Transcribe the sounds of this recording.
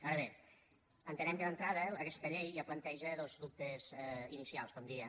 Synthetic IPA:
aɾəβe | ənt̪ənɛmkəðənt̪ɾaðəəkɛst̪əʎejaplənt̪ɛʒəðozðup̚t̪ezinisialˠskɔmd̪iə

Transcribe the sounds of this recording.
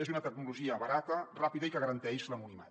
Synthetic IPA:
ezunət̪ək̚nuluʒiəβəɾat̪ərapiðəikəɣəɾənt̪ɛʃləmunimḛ

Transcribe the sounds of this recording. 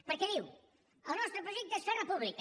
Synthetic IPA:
pəɾkɛðiw | əlˠnɔst̪ɾəpɾuʒɛk̪̚d̪əst̪onɐpuβlik

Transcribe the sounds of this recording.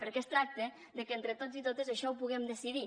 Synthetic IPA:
pəɾkɛst̪ɾak̚t̪ə | ðəkent̪ɾət̪ozit̪ot̪əzəʃɔwpuɣɛmd̪əsiði

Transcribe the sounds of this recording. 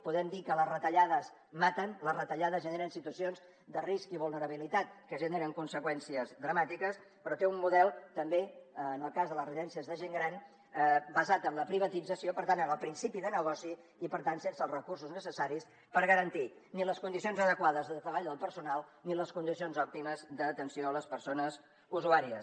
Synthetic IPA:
puðɛmd̪ikələzrət̪əʎaðəz | mat̪ənləzrət̪əʎaðəzʒəneɾənsit̪uəsionz | d̪əriskiβulˠnəɾəβ̞ilit̪at̪̚kəʒəneɾəŋkunsəkwɛnsiəzðɾəmat̪ikəs | pɾɔt̪eumːuðɛlˠt̪əmbenəlˠkazðələzriðɛnsiəzðəʒeŋɡɾan | bəzat̪əmləpɾiβət̪id͡zəsiopəɾt̪anənəlˠpɾinsipiðənəɣɔsiː | pəɾt̪ansensəlˠrəkursuznəsəsaɾis | pəɾɣəɾənt̪iniləskund̪isionzəðəkwaðəzðət̪ɾəβaʎðəlˠpəɾsunalˠniləskund̪isionzɔp̚t̪iməzd̪ət̪ənsioələspəɾsonəz | uzuaɾiə

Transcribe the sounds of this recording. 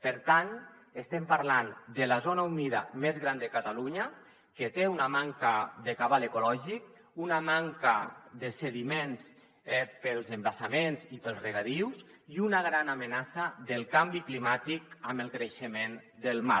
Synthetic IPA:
pəɾt̪an | est̪ɛmpaɾland̪əlazonauniða̰mezɣɾand̪əkat̪aluɲa | ket̪eunamaŋkaðekaβalekulɔʒik | unamaŋkad̪eseðimẽns | pəlˠzembasamenzipəlˠzreɣaðiwsiunaɣɾanamenasaðəlˠkambiklimat̪ikaməlˠkɾeʃemend̪əlˠma̰

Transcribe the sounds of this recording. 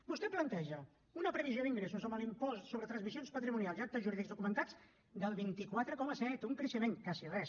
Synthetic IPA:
bust̪ɛplənt̪ɛʒə | unəpɾəβizjoðiŋɡɾɛsuzəmbəlimpɔssoβɾət̪ɾənzmizionspət̪ɾimunialˠziat̪əʒuɾiðikzðukumənt̪ad͡z | d̪əlˠβint̪ikwat̪ɾəkɔməsɛt̪uŋkɾəʃəmeŋkasirɛs

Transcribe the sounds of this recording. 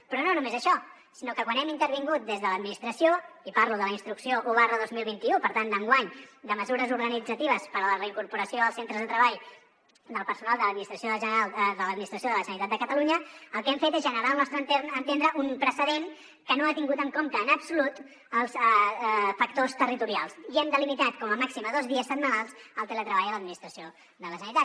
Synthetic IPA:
pɾɔnonumezəʃɔ | sinokəkwanɛmint̪əɾβiŋɡut̪̚d̪ezðələd̪minist̪ɾəsioipaɾluðələinst̪ɾuksioʔoβarəðozmilˠβint̪iupəɾt̪and̪əŋɡwaɲd̪əməzuɾəzuɾɣənid͡zət̪iβ̞əspəɾələrəiŋkuɾpuɾəsioəlˠsent̪ɾəzðət̪ɾəβaʎ | d̪əlˠpəɾsunalˠd̪ələd̪minist̪ɾəsjoðəʒəalˠd̪ələd̪minist̪ɾəsjoðələsənit̪at̪̚d̪əkət̪əluɲəəlˠkɛmfet̪ɛzʒənəɾaəlˠnɔst̪ɾət̪enənt̪end̪ɾəʔumpɾəsəðen | kənoat̪iŋɡut̪əŋkomt̪əːnəbsulut̪ | əlˠs | fək̚t̪ost̪ərit̪uɾialˠsiɛmd̪əlimit̪at̪kɔməmaksiməðozðiəsəd̪məlalˠzəlˠt̪ələt̪ɾəβajələd̪̚minist̪ɾəsio | ðələsənit̪at̪

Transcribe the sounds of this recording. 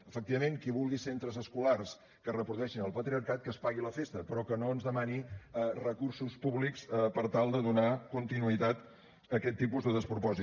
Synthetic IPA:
əfək̚t̪iβəmeŋkiβulˠɣisent̪ɾəzəskulars | kərəpɾuðuɛʃinəlˠpət̪ɾiəɾkat̪̚kəspaɣiləfest̪əpɾɔkənoənzðəmaniərəkursuspuβlikspəɾt̪alˠd̪əðunakunt̪inuit̪at̪ | əkɛt̪ːipuzd̪əðəspɾupɔzi

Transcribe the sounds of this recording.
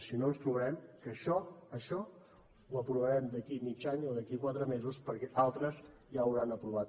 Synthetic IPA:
sinonst̪ɾuβəɾɛmkəʃɔəʃɔ | uəpɾuβəɾɛmd̪əkimit͡ʃaɲoðəkikwat̪ɾəmezuspəɾkɛʔalˠt̪ɾəz | ʒaəwɾanəpɾuβat̪

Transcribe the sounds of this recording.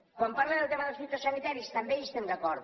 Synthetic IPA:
kwampaɾled̪elt̪emaðosfit̪ɾosanit̪aɾjist̪ambeest̪end̪akɔɾð

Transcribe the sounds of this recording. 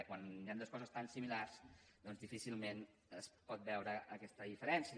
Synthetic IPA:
kwaniand̪oskɔzəst̪ansimilarsd̪ɔnzðifisilˠmen | əspɔt̪̚bɛwɾəʔːkɛst̪əðifəɾɛnsə

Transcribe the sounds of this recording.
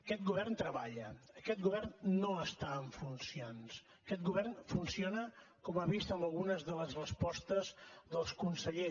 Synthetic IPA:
əkɛt̪̚ɡuβɛrnt̪ɾəβaʎəəkɛt̪̚ɡuβɛrnːoəst̪aəɱfunsions | əkɛt̪̚ɡuβɛrnfunsionə | kɔmaβist̪əməlˠɣunəzðələzrəspɔst̪əzðəlˠskunsəʎe

